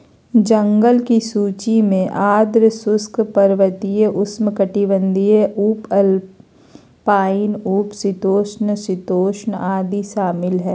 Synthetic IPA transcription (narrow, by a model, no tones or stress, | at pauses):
d͡ʒə̃ŋɡəlkisuːt͡ʃimẽʔaːd̪ɾsʊskpɐɾʋət̪ijəʔʊsmkəʈiʋə̃nd̪ijeuːpɐl | paːɪnuːpsɪt̪oːʃnsɪt̪oːʃnaːd̪iʃaːmɪlɦɛː